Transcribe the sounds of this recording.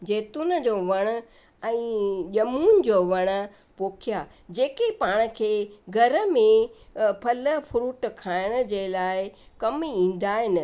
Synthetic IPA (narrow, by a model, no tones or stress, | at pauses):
d͡ʑeːt̪unə̆d͡ʑoːʋɐɽ̃ə̆ | ɛ̃ːʄɐmuːn̆d͡ʑoːʋɐɽ̃ə̆ | poːkʰija | d͡ʑeːkepaːɽ̃ə̆kʰeːɡʱɐɾə̆mẽpʰɐlə̆pʰʊɾuːʈkʰaːɪɽ̃ə̆d͡ʑeːlaːɪkɐmiĩːn̆d̪aːɦɪnɪ̆